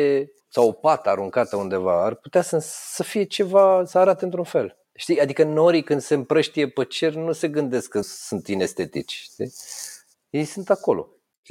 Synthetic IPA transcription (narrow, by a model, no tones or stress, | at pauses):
e | sawpat̪aɾuŋkat̪əund̪e̞va̰arput̪easəsəfije̞t͡ʃe̞vasəaɾat̪eɨnt̪ɾunfe̞l | ʃt̪iad̪ikənoɾikɨnd̪se̞ɨmpɾəʃt̪ije̞pət͡ʃe̞rʲnuse̞ɡɨnd̪e̞skkəsunt̪inest̪e̞t̪ḭt͡ʃʲʃt̪i | je̞jsunt̪ako̞lo̞̰